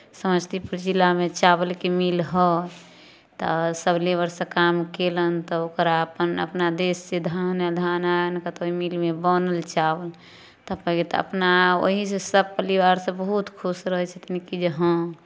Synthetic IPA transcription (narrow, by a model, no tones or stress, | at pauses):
səməd͡ʒt̪ʰipuɾd͡ʒilamet͡ʃabəlkemilɦə | t̪ɔsəblebəɾsə̃kamkelənt̪ɔokəɾaəpənə̰pnad̪esːed̪ʱanəd̪ʱanaənkat̪oɦimilmebənəlt͡ʃabəl | t̪əpəɡet̪ə̰pnao̰ɦisesəb̚pəɾiwaɾsə̃bəɦut̪kʰusɾəɦɛt͡ʃʰɛt̪inkid͡ʒəɦə̃